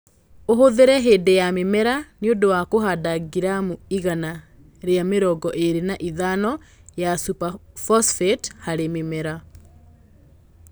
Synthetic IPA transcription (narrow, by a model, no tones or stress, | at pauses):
oɦoðeɾɛɦeːdejamemɛɾaneodowakoɦadaɡiɾamuiɣana | ɾeameɾɔɡɔʔeɾenaʔiðanɔjasupafɔsfethaɾememɛɾa